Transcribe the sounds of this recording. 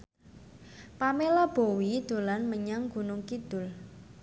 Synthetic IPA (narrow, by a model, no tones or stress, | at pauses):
pamelab̥owid̪̥o̤lanməɲaŋɡ̥ṳnʊŋkid̪̥ʊ̤l